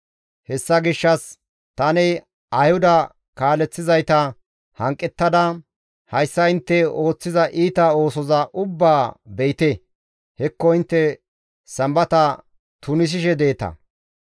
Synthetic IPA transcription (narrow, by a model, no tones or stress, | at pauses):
hɛsːɐɡɪʃːɐs | t̪ɐnɛ | ɐjhʊd̪ɐ | kaːlɛt͡sːɪzɐjt̪ɐ | hɐŋkʼːɛt̪ːɐd̪ɐ | hɐjsːɐɪnt̪ːɛo̞ːt͡sːɪzɐʔiːt̪ɐo̞ːsɔzɐʔʊbːaːbɛjɪt̪ɛ | hɛkːɔɪnt̪ːɛ | sɐmbɐt̪ɐ | t̪ʊnɪs̬ɪʃɛd̪e̞ːt̪ɐ̰